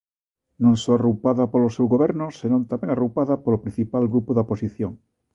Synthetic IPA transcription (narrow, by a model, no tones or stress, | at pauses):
nõŋsoarupaðapolosewɣoβ̞eɾnosenõnt̪ameŋarupaðapolopɾĩn̟θipalɡɾupoðoposiθjoŋ